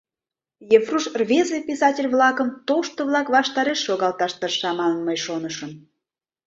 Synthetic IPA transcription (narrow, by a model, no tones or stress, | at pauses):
jefruʃrvʲezepʲisɑtʲelʲβlɑkəmt̪oʃt̪oβlɑkβɑʃt̪ɑɾeʃːoɣɑlt̪ɑʃt̪ərʃɑmɑnənməjʃonəʃən